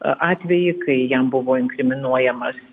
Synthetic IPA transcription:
ʔɑːt̪ʲʋʲɛjɪkɐɪjɛmbʊʋoːɪŋkɾʲɪmʲɪnuɔjɛmɐs

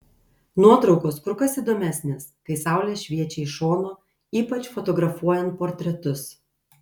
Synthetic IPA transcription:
nuɔt̪ɾɒʊkoːskɾʊkɐsiːd̪oːmʲæsʲnʲeːskɐɪsɑˑʊlʲeːʃʲʋʲiɛt͡ʃʲɛɪʃoːnoː | iːpɐt͡ʃfɔt̪ɔɡɾɐfuɔjɛnt̪̚poːɾʲt̪ʲɾʲɛt̪ʊs

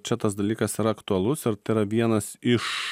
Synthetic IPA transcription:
t͡ʃʲɛt̪ɐsd̪ɐlʲiːkɐsɪɾɐɐkt̪uɐlˠʊsɪɾt̪ɐɪɪɾɐʋʲiɛnɐsɪʃ

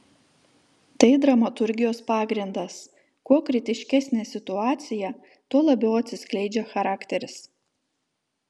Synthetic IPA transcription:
t̪ɐɪd̪ɾɐmɐt̪ʊɾʲɡʲɪjoːspɑːɡɾʲɪnd̪ɐs | kuɔkɾʲɪt̪ʲɪʃʲkʲæsʲnʲeːsʲɪt̪ʊɑːt̪sʲɪjɛ | t̪uɔlˠɐbʲɛʊɐt̪ʲsʲɪsʲklʲɛɪd͡ʒʲɛxɐɾɑːkt̪ʲɛɾʲɪs

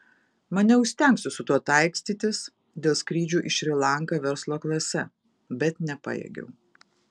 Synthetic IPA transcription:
mɐnʲɛʊʃʲst̪ʲɛŋksʲʊsʊt̪uɔt̪ɐɪksʲt̪ʲiːt̪ʲɪs | d̪ʲeːlˠskɾʲiːd͡ʒʲuːʔɪʃʲɾʲɪlˠɑˑŋkɑʋʲɛɾslˠoːklˠɐsʲɛ | bʲɛt̪nʲɛpɑ̰ːjɛ̰ɡʲɛ̰ʊ

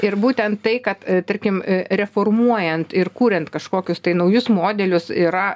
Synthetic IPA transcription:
ɪɾbuːt̪ʲɛnt̪tɐɪkɐt̪t̪ɐɾʲkʲɪmɾʲɛfoːrmuɔjɛnt̪ɪrkuːɾʲɛnt̪kɐʃkoːkʲʊst̪ɐɪnɐʊjʊsmoːd̪ʲɛlʲʊsiːɾɐ

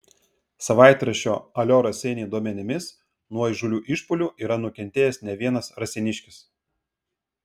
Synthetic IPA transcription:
sɐʋɑˑɪt̪ɾɐʃʲo̰ːɐlʲoːɾɐsʲɛnʲeːd̪uɔmʲɛnʲɪmʲɪs | nuɔɪʒʊlʲuːʔɪʃpʊlʲuːʔiːɾɐnʊkʲɛnʲt̪ʲeːjɛsnʲɛʋʲiɛnɐsɾɐsʲɪnʲɪʃʲkʲɪs

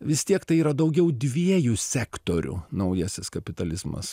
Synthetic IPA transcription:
ʋʲɪst̪ʲiɛkt̪ɐɪiːɾɐd̪ɐʊɡʲɛʊd̪ʲʋʲiɛjʊsʲæːkt̪oːɾʲʊ̰nɐʊjɛːsʲɪskɐpʲɪt̪ɐlʲɪzmɐ̰s

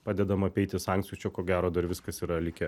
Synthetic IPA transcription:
pɑːd̪ʲɛd̪ɐmɐpʲɛɪt̪ʲɪsɑˑŋk̪sʲijuːt͡ʃʲɛkoːɡʲæːɾoːd̪ɐɾʋʲɪskɐsiːɾɐlʲɪkʲɛ

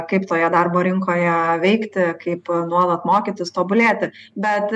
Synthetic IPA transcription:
kɐɪpt̪oːjɛd̪ɐrboːɾʲɪŋkoːjɛʋʲɛɪkt̪ʲɪkɐɪpnuɔlˠɐt̪moːkʲit̪ʲɪst̪oːbʊlʲeːt̪ʲɪ | bʲɛt̪

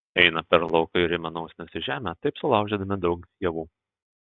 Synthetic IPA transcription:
ɛɪnɐpʲɛɾlˠɐʊkɐɪɪɾɪmʲɛnɐʊsʲnʲɛsʲɪʒʲæːmʲæt̪ɐɪpsʊlˠɑˑʊɡʒʲɛd̪ɐmʲɪd̪ɒʊkt̪ʲiɛʋuː

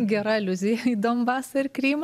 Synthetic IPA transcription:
ɡʲɛɾɐɪlʲʊzʲɪjɛid̪oːmbɑːsɐɪrkɾʲiːm

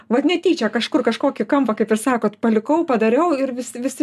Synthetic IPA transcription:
ʋɐt̪nʲɛtʲiːt͡ʃʲɛkɐʃkʊrkɐʃkoːkʲɪkɐmpɐkɐɪpɪrsɑːkoːt̪pɐlʲɪkɐʊpɐd̪ɐɾʲɛʊɪɾʋʲɪsʲɪʋʲɪsʲɪ

